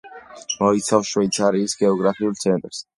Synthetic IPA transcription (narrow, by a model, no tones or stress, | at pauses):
mɔit̪sʰafʃwɛjt̪sʰaɾiːsɡɛɔɡɾapʰiult̪sʰɛnt̪ʼɾs